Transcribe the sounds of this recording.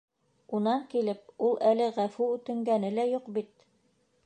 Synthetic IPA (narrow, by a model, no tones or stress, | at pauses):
unɑŋkilɘp̚ulˠʔælɘʁæfuʉt̪ɘ̆ŋɡænɘlæjuqbit̪̚